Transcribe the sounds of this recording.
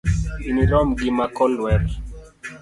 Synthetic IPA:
inilɔmɡimakɔlwɛɾ

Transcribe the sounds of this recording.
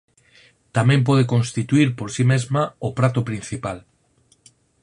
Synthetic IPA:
t̪amẽmp̬oð̞ekonst̪it̪uiɾpoɾsimezmaopɾat̪opɾin̟θipal

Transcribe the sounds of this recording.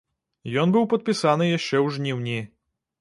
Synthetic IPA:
jɔnbɨwpɐt̪̚pʲisanɨjaʃt͡ʃɛwʐnʲiwnʲi

